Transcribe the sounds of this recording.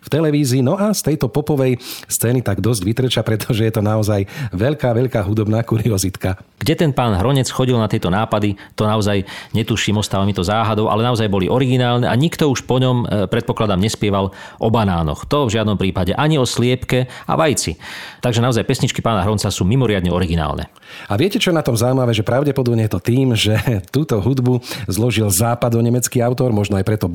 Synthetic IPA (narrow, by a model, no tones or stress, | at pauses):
ft̪ɛlɛʋiːziːnɔast̪ɛjt̪ɔpɔpɔʋɛjst͡sɛːnit̪aɡd̪ɔzɟʋit̪ɾɛt͡ʃapɾɛt̪ʰɔʒɛjɛt̪ɔnaɔzajʋɛʎkaːʋɛʎkaːɦud̪ɔbnaːkuɾiɔzit̪ka | ɡ̥ɟɛt̪ɛnpaːnɦɾɔɲɛt͡sxɔɟilnat̪ɛjt̪ɔnaːpad̪it̪ɔnaɔzajɲɛt̪uʃiːmɔst̪aːʋamit̪ɔzaːɦad̪ɔʊʔa̰lɛnaɔzajbɔliʔɔɾiɡinaːlnɛʔa̰ɲikt̪ɔuʃpɔɲɔmpɾɛt̪̚pɔklad̪amɲɛspɪɛʋalʔɔbanaːnɔ̰xt̪ɔvʒɪad̪nɔmpɾiːpaɟɛʔaɲiɔslɪɛpkɛa̰ʋajt͡sit̪aɡʒɛnaɔzajpɛsɲit͡ʃkipaːnaɦɾɔnt͡sasuːmimɔɾɪad̪ɲɛɔɾiɡina̰ːlnɛ̰ | aʋɪɛcɛt͡ʃɔjɛnat̪ɔmzaimaʋɛːʒɛpɾaʊɟɛpɔd̪ɔbɲɛjɛt̪ɔt̪iːmʒɛt̪uːt̪ɔɦud̪buzlɔʒilzaːpad̪ɔɲɛmɛt͡skiaʊt̪ɔɾmɔʒnɔajpɾɛt̪ɔ